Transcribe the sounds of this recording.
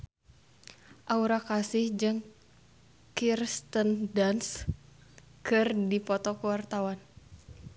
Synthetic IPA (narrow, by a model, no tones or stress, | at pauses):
ʔauɾakasɪhd͡ʒɨŋ | kirst̪əndans | kɨrdipɔt̪ɔkuwart̪awan